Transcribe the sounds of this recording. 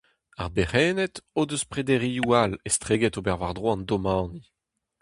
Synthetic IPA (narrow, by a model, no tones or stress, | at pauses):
a̰ʁbeʁɛːnɛt̪oːd̪øspʁed̪eʁiualest̪χeːɡɛt̪obɛʁvaʁd̪ʁwɑ̃nd̪omɑ̃ːni